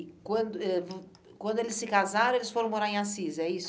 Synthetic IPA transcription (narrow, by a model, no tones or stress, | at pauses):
kwɐ̃d̪ʊɛv | kwɐ̃nd̪ʊelɪsːɪkazaɾɐ̃elɪsfoɾɐ̃w̃moɾaɾẽasizɛis